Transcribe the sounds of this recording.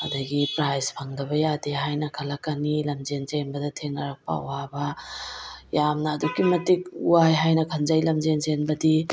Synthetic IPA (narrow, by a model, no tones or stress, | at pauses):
ɐ̰dɐɡipɾajspʰɐŋdɐbɐjadeɦajnɐkʰɐlɐkɐnilɐmzenzenbɐdɐtʰeŋnɐɾɐk̚pa̰wabɐ | jamnɐːdukimɐtik̚uwajɦajnɐkʰɐnzajlɐmd͡ʒenzenbɐdi